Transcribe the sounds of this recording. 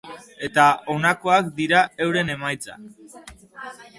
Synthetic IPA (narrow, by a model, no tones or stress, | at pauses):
e̞t̪ao̞nako̞akd̪iɾae̞wɾe̞ne̞majt͡sa̰k